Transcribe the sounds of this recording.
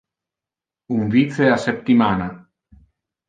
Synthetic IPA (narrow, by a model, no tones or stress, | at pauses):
umviθeasep̚t̪imana